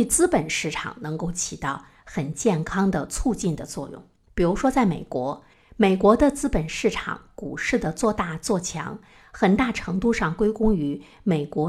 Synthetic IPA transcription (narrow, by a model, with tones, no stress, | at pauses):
t͡sɹ̩˥pə˨˩nʂɻ̩˥˩ʈ͡ʂʰɑ̰˨˩ŋnɤ˧˥ŋko˥˩ʊt͡ɕʰi˨˩t̪ɑ˥˩ʊ | xə˨˩nt͡ɕjɛ˥˩nkʰɑ˥ŋd̪ə˨t͡sʰu˥˧t͡ɕi˥˩nd̪ə˩t͡swɔ˥˧jʊ̰˥˩ŋ | pi˨˩ɻu˧˥ʂwɔ˥t͡sa˥˩ɪme˨˩ɪkwɔ˧˥ | me˨˩ɪkwɔ˧˥d̪ə˧t͡sɹ̩˥pə˨˩nʂɻ̩˥˩ʈ͡ʂʰɑ̰˨˩ŋku˨˩ʂɻ̩˥˩d̪ə˩t͡swɔ˥˧t̪a˥˧t͡swɔ˥˩t͡ɕʰjɑ̰˧˥ŋ | xə˨˩nt̪a˥˩ʈ͡ʂʰɤ˧˥ŋt̪u˥˧ʂɑ˥˩ŋkwe˥ɪkʊ˥ŋy˧˥ | me˨˩ɪkwɔ˧˥